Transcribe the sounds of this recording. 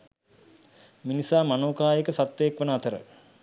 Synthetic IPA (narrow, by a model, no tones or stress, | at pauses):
minisaːmanoːkaːjekəsat̪ːʋeːkʋənəat̪əɾə̰